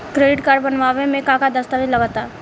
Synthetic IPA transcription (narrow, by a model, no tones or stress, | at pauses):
kɾeːɖɪʈkaːɾbɐnʋaːʋemẽkãːkad̪ɐst̪aʋɪlɐɡat̪aː